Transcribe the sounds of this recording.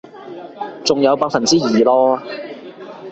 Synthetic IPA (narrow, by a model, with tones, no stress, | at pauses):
t͡sʊ˨ŋjɐ˨˧wpaː˧k̚fɐ˨nt͡siː˥jiː˨˩lɔː˥